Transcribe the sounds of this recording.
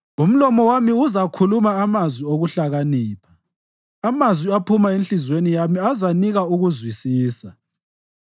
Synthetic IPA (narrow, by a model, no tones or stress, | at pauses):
um̩lɔmɔwamiuzakʰulumaːmazwioɣuɬaɣaniːpʰaː | mazwiapʰumaenɬizwenijamiazaniɣauɣuzwisiːsa